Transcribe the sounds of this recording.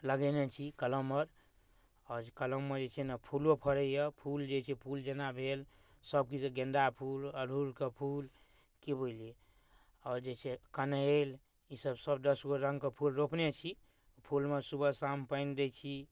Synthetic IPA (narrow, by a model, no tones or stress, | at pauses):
ləɡɛnet͡ʃʰikələmːəɾ | ɔɾkələmːed͡ʒet͡ʃʰɛnapʰulopʰəɾəjəpʰuld͡ʒet͡ʃʰɛpʰuld͡ʒenabʱel | səb̚kid͡ʒeɡẽnd̪apʰuləɾʱuɾkepʰul | kebolie | ɔːɾd͡ʒet͡ʃʰekənəel | isəbsəbd̪əsɡoɾə̃ŋɡkepʰulɾopnet͡ʃʰi | pʰulmesubəsampəɪnd̪et͡ʃʰi